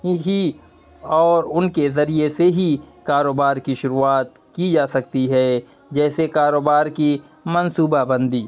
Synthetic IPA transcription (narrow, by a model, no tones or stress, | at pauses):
ɦi | ɔːɾʊnkezɐɾieseɦikaːɾoːbaːɾkiʃʊɾuaːt̪̚ | kid͡ʒaːsɐk̚t̪iɦɛː | d͡ʒɛːsekaːɾoːbaːɾki | mɐnsuːbabɐ̃nd̪ʱiː